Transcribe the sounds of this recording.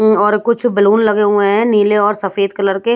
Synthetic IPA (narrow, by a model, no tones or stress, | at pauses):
ɔːɾkʊt͡ʃʰbɪluːnlɐɡeɦũẽɦɛ̃niːleɔːɾsɐfeːd̪̚kɐləɾke